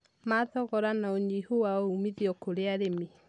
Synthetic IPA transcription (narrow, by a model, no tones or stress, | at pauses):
maðɔɣɔɾanaoɲihowaumiðiɔkoɾeaɾemi